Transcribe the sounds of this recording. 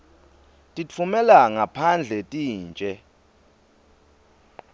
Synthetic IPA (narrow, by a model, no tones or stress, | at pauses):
tʼit͡fʰumɛlaŋapʰand͡ɮʱɛtʼiːnt͡ʃʼɛ